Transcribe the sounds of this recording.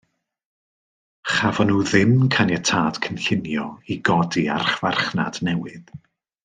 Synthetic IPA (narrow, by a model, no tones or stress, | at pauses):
χavɔnuːðɪmkʰanjɛtʰaːd̥kʰənɬɪnjɔiɡɔdia̰rχv̥arχna̰d̥nɛwɨð̥